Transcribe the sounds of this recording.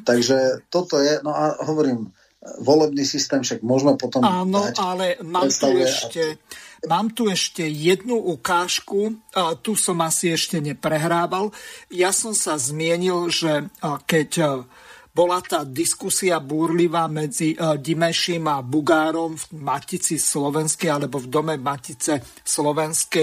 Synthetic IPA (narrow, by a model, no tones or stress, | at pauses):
t̪aɡʒɛt̪ɔt̪ɔjɛnɔaɦɔʋɔɾiːm | ʋɔlɛbniːsist̪ɛːmfʃaɡ̚mʊɔʒmɛpɔt̪ɔmaːnɔalɛmaːɛt̪ɛʃcɛmaːmt̪uɛʃcɛjɛd̪nuʔukaːʃkut̪usɔmasiɛʃcɛɲɛpɾɛɦɾaːʋaljasɔmsazmɪɛɲilʒɛkɛc | bɔlat̪aːd̪iskusiabuːɾliʋaːmɛd͡ziɟimɛʃimabuɡaːɾɔmfmacit͡sislɔʋɛnskɛjalɛbɔvd̪ɔmɛmacit͡sɛ | slɔʋɛnskɛ